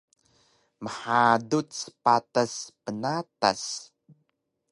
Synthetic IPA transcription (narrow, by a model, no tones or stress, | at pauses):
məħadutsə̥pataspənatas